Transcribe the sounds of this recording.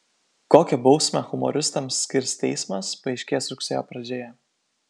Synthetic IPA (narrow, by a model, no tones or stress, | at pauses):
koːkʲɛbɒʊsʲmʲɛxʊmɔ̰ɾʲɪst̪ɐmsːʲkʲɪɾʲst̪ʲɛɪsmɐspɐɛɪʃʲkʲeːsɾʊksʲeːjoːpɾɐd͡ʒʲeːjɛ